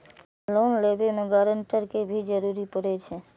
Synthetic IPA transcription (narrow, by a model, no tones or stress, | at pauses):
lonlebemẽɡaɾəɳʈəɾkebʱid͡ʒəɾuɾipəɽet͡ʃʰe